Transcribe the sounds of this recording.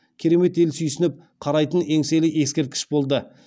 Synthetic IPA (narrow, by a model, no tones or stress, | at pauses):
kʲʰe̞ɾe̞me̞t̪e̞lsyjsɪnɪp̚ | qʰɑɾɑjt̪əne̞ŋse̞lɪe̞skʲe̞ɾt̪̚kʲɪ̥ʃbo̞lˠd̪ə